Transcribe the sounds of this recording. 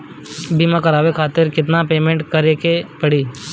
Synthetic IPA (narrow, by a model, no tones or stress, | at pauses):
bimãkɐɾaːʋekʰaːt̪ɪɾkɪt̪̬napeːmẽɳʈkəɾekepɐɽiː